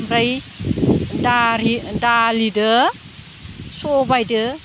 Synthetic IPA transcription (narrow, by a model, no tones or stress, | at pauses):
mɾaj | daɾidalidɯ | sɔbajdɯ